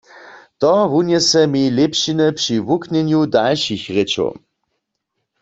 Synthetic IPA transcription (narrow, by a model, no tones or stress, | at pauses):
t̪ɔʋunjɛsɛmilepʃinəpʂiʋuknɛnjudalʃixʁet͡ʃo̰